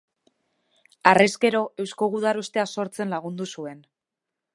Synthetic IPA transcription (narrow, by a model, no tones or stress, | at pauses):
areske̞ɾo̞ʔe̞wsko̞ɣuð̞aɾust̪e̞aso̞ɾt͡se̞nlaɣ̞und̪usue̞n